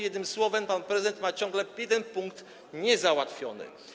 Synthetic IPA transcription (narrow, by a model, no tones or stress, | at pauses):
jɛd̪nɘmswɔvɛmpanpɾɛzɨd̪ɛnt̪mat͡ɕɔ̃ŋɡlɛjɛd̪ɛnpuŋkt̪ | ɲɛzawat̪fʲjɔnɘ̰